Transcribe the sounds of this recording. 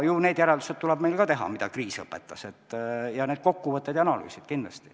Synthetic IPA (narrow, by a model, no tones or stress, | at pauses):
june̞ːd̪̥jæɾɛld̪uset̪t̪ːulɛb̥̚melkɑt̪e̞ɦɑ̰mid̪̥ɑkriːsɤpːˑet̪ːˑɑset̪ːˑjɑne̞ːd̪̥ko̞kːuvɤt̪ːˑed̪jɑnɑly̰ːsid̪̥kind̪lɑst̪i̥